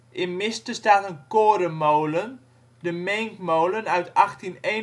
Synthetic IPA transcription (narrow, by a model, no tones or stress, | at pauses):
ʔɪnmɪstəstaːtənkoːɾəmowlən | dəmeŋkmowlənœɥtaxtinen